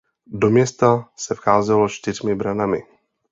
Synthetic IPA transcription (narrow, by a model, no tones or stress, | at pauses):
do̞mɲɛst̪asɛfxaːzɛlo̞t͡ʃt̪ɪrmɪbɾanamɪ